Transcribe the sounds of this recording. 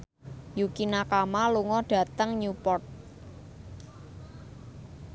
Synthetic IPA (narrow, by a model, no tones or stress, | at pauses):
jukinakamaluŋɔɖ̥ä̤t̪əŋɲupɔrt̪̚